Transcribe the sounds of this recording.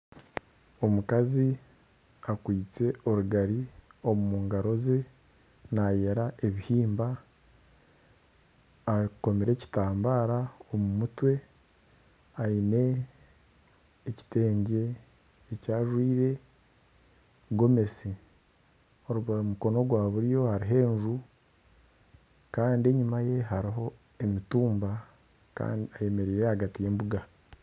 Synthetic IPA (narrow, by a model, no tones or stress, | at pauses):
o̞mukazi | akwiːt͡se̞o̞ɾuɡaɾio̞mumuːŋɡaɾo̞ze̞ | najeɾaʔe̞βihiːmba | ko̞meɾe̞ci̥taːmbaːɾaomumutwe̞ | aine̞ | ci̥te̞ːɲɟe̞ː | caːʒwiːɾe̞ | ɡo̞me̞si | o̞ɾuβaomuko̞no̞ɡwaːβuɾjo̞haɾiɦe̞ːʒu | kaːndie̞ɲumaje̞ɦaɾiɦo̞ | e̞mituːmba | ka̰ːndiaje̞me̞ɾeɾehaɡatije̞ːmbuɡa